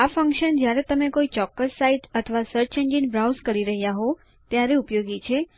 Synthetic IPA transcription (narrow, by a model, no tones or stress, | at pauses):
afə̃ŋkʃənd͡ʒjaɾet̪əmekoit͡ʃɔkːəsːaiʈət̪ʰʋasəɾt͡ʃeɲd͡ʒinbɾawzkəɾiɾəɦjaɦo | t̪jaɾeupjoɡit͡ʃʰe